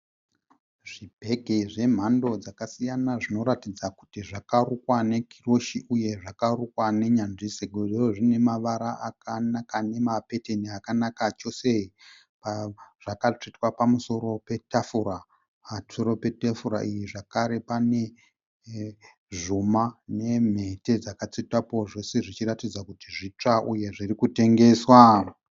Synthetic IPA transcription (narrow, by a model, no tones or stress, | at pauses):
ʐibʱe̞ɡʱeʐe̞m̤ando̞d͡zakasijanaʐino̞ɾatid͡zaku̥tiʐakarukwane̞kʰiro̞ʃiʔuje̞ʐakarukwane̞ɲanʐiseɡʱʐioʐine̞maʋaɾaʔakanakane̞mape̞teniakanakat͡ʃo̞se̞i | paʐ̥akat͡ʂitwapamuso̞ɾo̞pe̞tafuɾa | soɾo̞pe̞tafuɾa̰ʔijiʐakaɾe̞pane̞ | ʐumane̞m̤e̞te̞d͡zakat͡sitapo̞ʐe̞seʐit͡ʃiɾatid͡zakutiʐit͡ʂaʔuje̞ʐirikute̞ŋɡe̞ːswa